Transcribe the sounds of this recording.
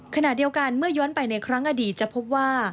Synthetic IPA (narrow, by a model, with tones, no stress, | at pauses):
kʰa˧na˨˩tdi˧əwka˧nmɯ˥˩ɐjɔː˦˥ənpa˧jna˧jkʰɾa˦˥ŋʔa˧diː˨˩t̪̚t͡ɕa˨˩pʰo˦˥p̚waː˥˩